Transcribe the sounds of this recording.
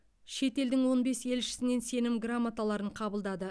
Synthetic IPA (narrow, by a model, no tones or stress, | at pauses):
ʃe̞t̪e̞ld̪ɪŋwo̞nbe̞se̞lʃɪ̥sɪne̞nse̞nɪmɡramːat̪alˠɑɾəɴqʰɑbəlˠd̪ɑd̪ə